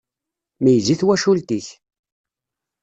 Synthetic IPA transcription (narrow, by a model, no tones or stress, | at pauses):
mijziθwæʃult̪iç